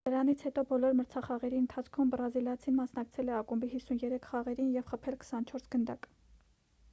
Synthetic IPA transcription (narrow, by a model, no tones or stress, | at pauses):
d̪̥əɾɑnit͡sʰhɛt̪ɔbɔlɔɾməɾt͡sʰɑχɑʁɛɾiənt̪ʰɑt͡sʰkʰumbɾɑziljɑt͡sʰinmɑsnɑk̚t͡sʰɛlɛɑkumbiɦisunjɛɾɛkʰχɑʁɛɾinjɛvχəpʰɛlkʰə̥sɑnt͡ʃʰɔɾsɡənd̪ɑk